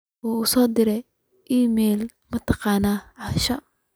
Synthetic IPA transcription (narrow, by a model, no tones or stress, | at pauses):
ɔːʊsɔːd̪ɪɾɛ | ʔiːmɛːl | mɐt̪ʰɑ̥qɑːnaːʕɑʃɐ